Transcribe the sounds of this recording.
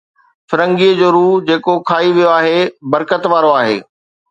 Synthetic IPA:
fɪɾə̃ŋɡiːəd͡ʑoːɾuːd͡ʑeːkokʰaːiʋijoaːɦebɐɾkət̪ʋaːɾoaːɦḛː

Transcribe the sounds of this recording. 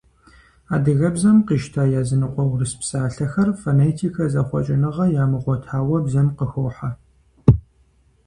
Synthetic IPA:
aːdɨɣɐbzɐmqiːʃtʰaːjaːzɨnɨqʷɔwrɨspsʼaːɬɐxɐrfoneːtʰiːkʰɐzɐχʷɔ̰t͡ʃʼɪnɨʁɐjaːmɨʁʷɔtʰaːwɐbzɐmqəxɨːħa

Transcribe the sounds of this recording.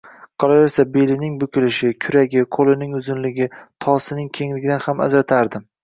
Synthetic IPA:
qʰɒlˠajesabe̞lɪnɪŋbʊkʲɪlɪʃɪkʲʰʊɾaɡʲɪqʰolɪnɪŋʊzɪnlɪɡʲɪt̪ʰɒsɪnɪŋkʲʰe̞ŋlɪɡʲɪd̪anhama̰zɾat̪ʰaɾd̪ɪm

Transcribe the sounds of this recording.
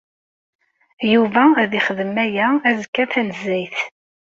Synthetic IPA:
juvæðiχəðəmæjææzəkːæθænəzːijθ

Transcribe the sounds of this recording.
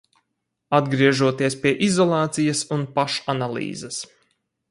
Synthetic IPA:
ad̪ɡɾiɛʒuɔt̪iɛspiɛʔizɔlˠɑːt̪sijɐsunpaʃanalˠḭːzɐs

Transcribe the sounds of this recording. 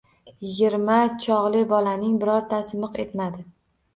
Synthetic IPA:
jɪɡʲɪɾmat͡ʃʰɒʁlˠɪbɒlanɪŋbɪɾɒɾt̪ʰasmɨqe̞t̪mad̪ɪ

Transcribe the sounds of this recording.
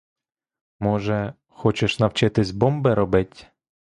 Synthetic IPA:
mɔʒɛ | xɔt͡ʃɪʃnɐwt͡ʃɪt̪ɪsʲbɔmbɪɾɔbɪtʲ

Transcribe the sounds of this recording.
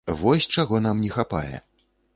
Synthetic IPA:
vɔsʲt͡ʂaɣɔnamnʲɛxapa̰jɛ̰

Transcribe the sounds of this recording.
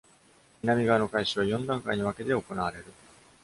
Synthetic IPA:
inamʲiɡaːno̞kaiɕiβajõ̞nd̪ãŋkaiɲ̟iβake̞t̪eo̞ko̞naβaɾe̞ɾɯ̟

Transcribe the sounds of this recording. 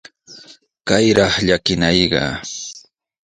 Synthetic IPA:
kajɾɑχʎakɪnajɢɑ̰

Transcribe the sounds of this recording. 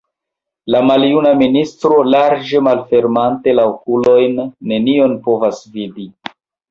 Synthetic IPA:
lamaljunaministɾo̞laɾd͡ʒe̞malfe̞ɾmante̞laokulo̞jnːe̞nio̞npo̞vasvidi

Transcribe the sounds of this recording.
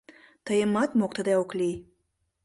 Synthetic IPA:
t̪əjəmɑt̪mok̚t̪əd̪eoklʲij

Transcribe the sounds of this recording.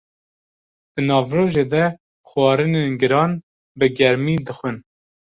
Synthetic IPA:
d̪̥ɨnɑːvroːʒeːd̪ɛ | xwɑːɾɨneːnɡɨɾɑːn | bɨɡɛɾmiːd̪ɨxʷɨn

